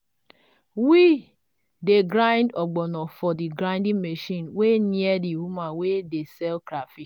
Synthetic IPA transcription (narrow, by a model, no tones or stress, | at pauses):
wi | deɡɾãɪ̃ndɔɡ͡bɔnɔfɔdiɡɾãɪ̃ndiŋmeʃĩnwenjediwumawedesɛlkɾafi